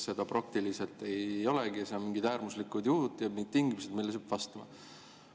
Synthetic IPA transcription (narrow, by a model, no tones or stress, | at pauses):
se̞d̪̥ɑprɑk̚t̪ilise̞lt̪ˑe̞jo̞leɡ̥isemiŋɡit̪æːɾmuslikud̪̥juhud̪̥jɑmit̪ːiŋɡimused̪̥milːes̬eb̥vɑst̪ɑmɑ̰